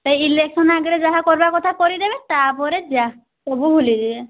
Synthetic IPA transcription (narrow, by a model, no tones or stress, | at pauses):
t̪ejilek̚sɔnaɡɔɾɛzaɦakɔɹibakɔt̪ʰakɔɹidɛbɛtapɔɾɛd͡ʒa | sɔbuɦuliziɛ